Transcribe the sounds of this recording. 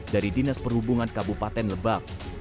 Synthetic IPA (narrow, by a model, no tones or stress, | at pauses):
daɾidinaspərhubuŋankabupat̪ɛnləbak̚